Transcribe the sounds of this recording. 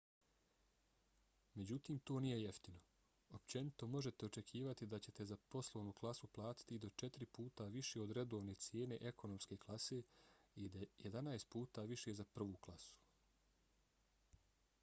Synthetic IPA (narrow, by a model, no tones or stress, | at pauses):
me̞d͡ʑut̪iːmt̪o̞ːnije̞je̞ft̪ino̞ | opt͡ɕe̞nit̪o̞mo̞ʒet̪e̞o̞t͡ʃe̞kʰiːʋat̪id̪at͡ɕe̞t̪e̞zapo̞slˠoʋnuːklˠasuplˠaːt̪i̥t̪id̪o̞t͡ʃe̞t̪iɾipuːt̪aʋiʃeo̞d̪ɾe̞d̪o̞ːʋne̞t̪sjeːne̞ʔe̞kʰo̞no̞mske̞ːklˠase̞ːid̪ajed̪anaest̪̚puːt̪aʋiʃe̞ːzapr̩ʋuːklˠasu̥